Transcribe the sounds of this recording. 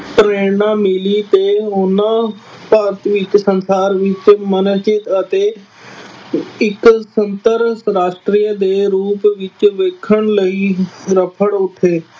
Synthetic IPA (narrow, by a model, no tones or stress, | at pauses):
pɾeːnãːmɪlit̪eːʊnãːpaːɾt̪ʰʋɪt͡ʃsənsaːɾʋɪt͡ʃmənsd͡ʒɪt̪ət̪eː | ɪksənt̪əɾɾaːʃʈɾiːəd̪eːɾuːpʋɪt͡ʃʋeːkʰəɳ̃ləiːɾəpʰəɽʊt̪ʰːeː